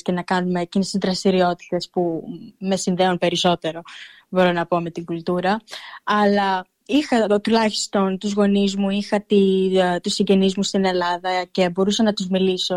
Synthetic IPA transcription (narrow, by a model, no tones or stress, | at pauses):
cenɐkɐnume̞ːcinist̪izd̪ɾɐst̪iɾio̞t̪i̥t̪e̞spume̞sinðe̞unpe̞ɾiso̞t̪e̞ɾo̞ | bo̞ɾo̞nɐpo̞me̞t̪iɡult̪uɾɐː | lɐ | ixɐt̪ulɐçi̥st̪o̞nt̪uzɣo̞nizmuixɐt̪it̪usiɲɟe̞nizmust̪ine̞lɐðɐce̞bo̞ɾusɐnɐt̪uzmiliso̞